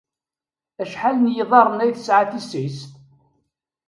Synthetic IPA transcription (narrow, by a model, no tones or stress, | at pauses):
æʃħalənjiðˤɑɾˤənæjθə̥sʕaθisist̪